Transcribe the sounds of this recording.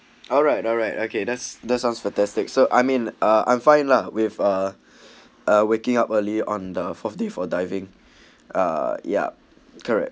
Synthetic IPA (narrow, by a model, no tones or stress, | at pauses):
ɔlɹaɪtɔlɹaɪtokʰedɛtsdɛtsãʊ̃nsfɛ̃ntæstɪk̚soʔaɪmĩnʔʌã̰ɪ̃mfãɪ̃nlawɪvʌ | ʔʌwekɪ̃ŋapəliɔ̃ndəfɔθdefɔdaɪvɪ̃ŋ | ʌ̰ja̰ | kʰəɹɛ̰k̚